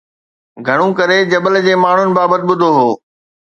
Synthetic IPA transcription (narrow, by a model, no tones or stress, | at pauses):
ɡʱɐɽ̃ũkɐɾed͡ʑɐbəld͡ʑeːmaːɳ̤ʊnɪ̆baːbət̪ɪɓʊd̪ʱoɦoː